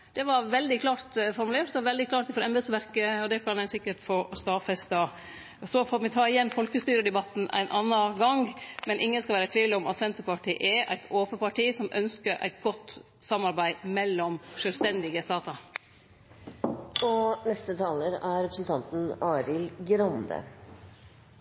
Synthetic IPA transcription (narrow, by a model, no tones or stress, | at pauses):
d̪̥ɛʋɑɾʋɛld̪ɪkʰlɑːɾt̪fɔɾmʉleːʈd̪ɛʋɑʋɛld̪ɪklɑːʈ̚d̪fɔɾɛmbəd̪sʋæɾkəɔd̪ɛkʰɑnæɪsɪkːəʈfɔst̪ɑːfɛst̪ɑ | sɔfomɪt̪ʰɑːɪjɛnːfɔlkəst̪yːɾəd̪ɛbɑt̪n̩ʔæ̰ɪnʔɑnːɑɡɑŋmɛnʔɪŋːənskɑʋæːɾət̪ʰʋiːləɔmɑt̪sʋɛnt̪əpɑʈʰiːʔɛʔæ̰ɪt̪ʰoːpəpɑʈiːsɔmʔœ̰nskəɾʔæ̰ɪt̪ɡɔt̪ː | sɑmːɑɾbæɪmɛlːɔmʂœːlst̪ɛnd̪ɪɡəst̪ɑːt̪əɾ | ɔnɛst̪ət̪ʰɑːləɾæɾɛpɾəsnt̪ʰɑnt̪n̩ɑːɾɪlɡɾɑnd̪ə̰